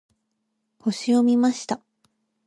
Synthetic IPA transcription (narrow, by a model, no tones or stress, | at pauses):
ho̞ɕio̞mʲimaɕi̥t̪a